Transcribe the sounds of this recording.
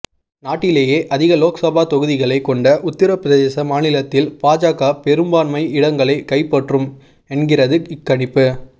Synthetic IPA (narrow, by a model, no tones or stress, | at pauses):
naːʈːɪleːjeːʔɐðɪɣɐloːksɐbaːt̪ɔɣɯðɪɣɐɭɐɪkːɔɳɖɐʔʊt̪ːɪɾɐpɾɐðeːsɐmaːnɪlɐt̪ːɪlpaːd͡ʒaːkaːpɛɾɯmbaːnmɐɪɪɽɐŋɡɐɭɐɪkɐɪpːɐʈrɯm | ɛnɡɪrɐðɯɪkːɐɳɪpːɯ